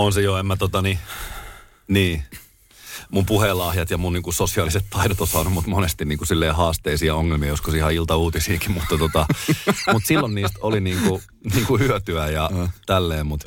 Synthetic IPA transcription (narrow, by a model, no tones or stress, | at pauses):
onsejoemːæt̪ot̪ɑni | niː | mumpuhelɑhjɑt̪jɑmunniːŋkusosiɑːliset̪t̪ʰɑiɾot̪osɑːnumut̪monest̪inniːŋkusilːeːhɑːst̪eisiːɑoŋːelmiɑjoskosihɑilt̪ɑuːt̪isiːkimmut̪ːɑt̪ot̪ɑmut̪silːonniːst̪oliniːŋku | niːŋkuhyøt̪yæjɑt̪ælːeːmmut̪